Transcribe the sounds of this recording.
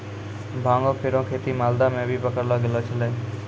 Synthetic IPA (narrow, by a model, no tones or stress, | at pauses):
bʱãːŋɡõːpʰeɾõːkʰeːt̪iːmaːld̪amẽbʱiːpəkəɾloːɡeloːt͡ʃʰəlẽː